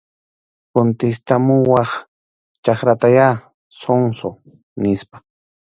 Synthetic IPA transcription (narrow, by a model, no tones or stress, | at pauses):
kont̪ɪst̪amʊwɑχ | t͡ʃaχɾat̪aja | soŋso | nɪspḁ